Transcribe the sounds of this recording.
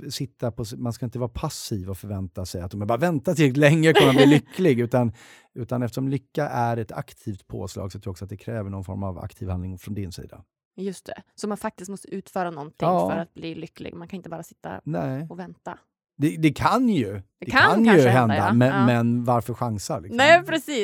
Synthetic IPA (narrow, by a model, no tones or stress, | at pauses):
sɪt̪ːapʰɔsmanskaɪnt̪əvɑːɾapʰasiːvɔfœɾvɛnt̪asɛjat̪̚d̪ɔmæɾbɑːɾavɛnt̪at̪ɪlɛŋːəkʰɔnːabliːlʏkːlɪɡʉ̟ːt̪an | ʉ̟ːt̪anɛft̪əʂɔmlʏkːaʔæɾɛt̪ʰa̰kt̪ʰiːft̪pʰo̰ːslɑ̰ːɡsɔjt̪ʰɾuːɔksɔat̪d̪ɛkʰɾɛːvəɳɔnfɔ̰ɾmava̰kt̪ʰiːvhanlɪŋfɾɔnd̪ɪnsḭːd̪a̰ | jɵst̪ʰɛ̰sɔmanfak̚t̪ɪst̪mɔst̪əʉ̟ːt̪fœːɾanɔnt̪ʰɪŋːfœɾat̪̚bliːlʏkːlɪ̰ɡmankʰanɪnt̪əbɑːɾasɪ̥t̪ːa̰nɛɔvɛnt̪a̰ | d̪ɛd̪ɛkʰanjɵd̪̥ɛkannjɵɦɛnd̪amɛmɛnvaɾfœɾɧaŋsalɪkɛpʰɾɛsiː